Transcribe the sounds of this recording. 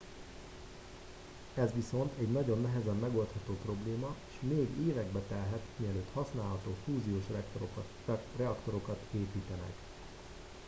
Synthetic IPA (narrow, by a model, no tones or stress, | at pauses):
ɛzʋiso̞nt̪ʰɛɟnɒɟo̞nːɛɦɛzɛmːɛɡo̞lt̪hɒt̪oːpro̞bleːmɒeːʃmeːɡeːvɛɡbɛt̪ɛlɦɛt̪miɛløːt̪hɒsnaːlɦɒt̪oːfuːzijoːʃ | rɛɒkt̪o̞ɾo̞kɒt̪eːpiːt̪ɛnɛ̰k